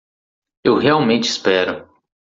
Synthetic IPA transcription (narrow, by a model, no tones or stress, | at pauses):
ewɦeawmẽnt͡ʃɪispɛɾʊ